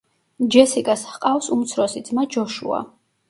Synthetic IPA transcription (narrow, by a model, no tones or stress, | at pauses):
d͡ʒɛsikʼashqʼawsumt̪sʰɾɔsid̪zmad͡ʒɔʃṵa̰